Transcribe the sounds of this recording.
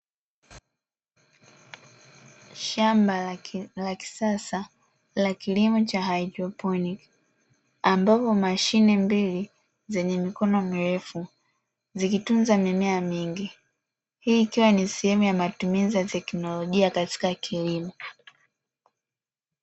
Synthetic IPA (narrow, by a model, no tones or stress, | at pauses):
ʃambalaki̥sasa | lakilimɔt͡ʃaɦaidɾɔpɔnik | ambapɔmaʃinɛmbili | zɛɲɛmikɔnɔmiɾɛfu | zikitunzamimɛamiŋɡi | hiːkiwanisɛhɛmujamatumizijatɛknɔlɔʄiakati̥kakʰilimɔ